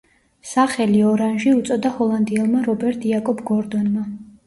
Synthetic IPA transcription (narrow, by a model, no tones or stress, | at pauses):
saχɛliɔɾanʒiut̪sʼɔd̪ahɔlˠand̪iɛlˠmaɾɔbɛɾt̪ʰʼiakʼɔbʰɡɔɾd̪ɔnma